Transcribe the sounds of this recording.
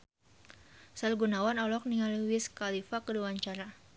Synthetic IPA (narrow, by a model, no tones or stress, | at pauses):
salɡunawanɔlɔk̚nialwiskalifakəluaɲt͡ʃaɾa